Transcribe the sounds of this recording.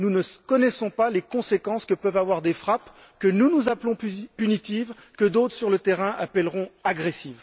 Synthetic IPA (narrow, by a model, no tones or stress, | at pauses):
nunəkɔnɛsɔ̃palekɔ̃sekɑ̃skəpœvavwaʁd̪efχap | kənunuzaplɔ̃ppynit̪ivkəd̪ot̪χsyʁlət̪ɛʁɛ̃ʔapɛlʁɔ̃aɡʁesiv